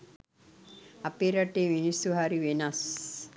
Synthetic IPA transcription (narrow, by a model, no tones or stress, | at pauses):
apeɾɐʈeʋinisuɦaɾiʋenas